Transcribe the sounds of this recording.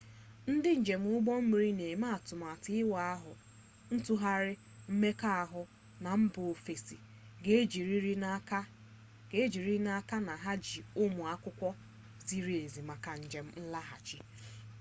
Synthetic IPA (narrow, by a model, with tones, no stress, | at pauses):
n̩˦dɪ˦n̩˨d͡ʒe˨m̩˦ʊ˦ɡ͡bɔ˦m̩˦mi˨ɾi˦ne˨ma˦˨tʊ˨m˨a˨tɪ˦wa˨a˦ɦʊ˨ | n̩˦tu˦ɦa˦ɾɪ˦ | m̩˦me˦ka˦a˨ɦʊ˨ | na˨m̩˦bʊ˨fe˨si˨ | ɡe˦d͡ʒi˨ɾi˦ɾi˦ka˦ | ɡe˦d͡ʒi˨ɾi˦na˦ka˦na˨ɦa˦d͡ʒi˨ʊ˦mʊ˨a˦kʷʊ˦kʷɔ˦ | zi˦ɾi˦˨e˨zi˨ma˨ka˨n̩˨d͡ʒe˨m̩˦n̩˦la˦ɦa̰˨t͡ʃi˦